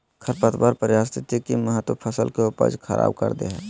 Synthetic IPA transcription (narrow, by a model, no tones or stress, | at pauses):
kʰəɾpət̪baɾpəɾjaːst̪ɪt̪ikiməɦət̪wəpʰəsəlkeʊpə̰d͡ʒkʰəɾʔa̰ːb̚kə̰ɾd̪eɦɛː